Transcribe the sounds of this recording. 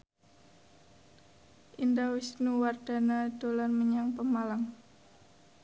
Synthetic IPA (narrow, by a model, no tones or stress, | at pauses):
ʔindawisnuward̥a̤nad̥olarməɲaŋpəmalaŋ